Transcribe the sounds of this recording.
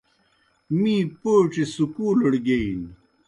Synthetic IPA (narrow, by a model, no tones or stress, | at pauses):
mĩːpoːʈ͡ʂesukuːlɐɽɡein